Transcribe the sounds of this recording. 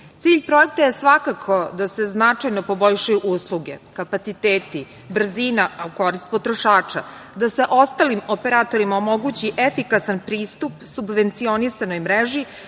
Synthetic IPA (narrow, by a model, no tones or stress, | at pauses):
t̪siːʎʲpɾo̞ek̚t̪aje̞sʋakakʰo̞d̪ase̞znat͡ʂajno̞po̞bo̞ʎʃajuʔuslˠuɡe̞̰kapat̪sit̪eːt̪i | br̩ziːnaauko̞ɾist̪̚po̞t̪ɾo̞ʃaːt͡ʃa | d̪ase̞ʔo̞st̪alimo̞pe̞ɾaːt̪o̞ɾimaomo̞ɡuːt͡ɕiʔefikasanpɾiːst̪upsubʋe̞nt̪sio̞nisano̞jmɾeʒi